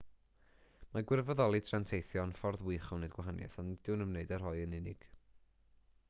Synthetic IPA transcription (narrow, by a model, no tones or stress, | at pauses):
maɡwɪrvɔðɔlˠitʰrantʰejθjɔnfɔrðwɨχɔwneɨdɡwaɦanjɛ̰θɔnd̥ɪwnəmneɨdar̥hɔɨənɪnɪɡ̥